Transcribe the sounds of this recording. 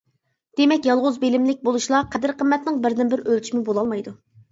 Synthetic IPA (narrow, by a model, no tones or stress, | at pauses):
d̪̥emɛkʲjɑlˠʁʊzbelɪmlɪk̚ʲbolˠuʃlˠɑqʰæd̪ɪɾqʰəmːɛt̪nɪŋbɪɾd̪ɪnbɪɾølʲt͡ʃʰimɪbolˠɑlˠmɑjd̪u